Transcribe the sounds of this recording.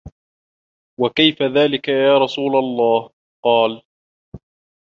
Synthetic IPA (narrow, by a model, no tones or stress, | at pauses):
wakajfaðaːlɪkajaːɾˤɑsˤuːlalˤːɑːh | qɑːl